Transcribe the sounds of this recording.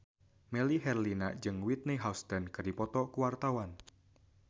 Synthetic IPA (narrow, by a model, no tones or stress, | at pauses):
mɛliɦɛrlinḁd͡ʒɨŋwit̪̚niɦawst̪ankərdipɔt̪ɔkuwart̪awan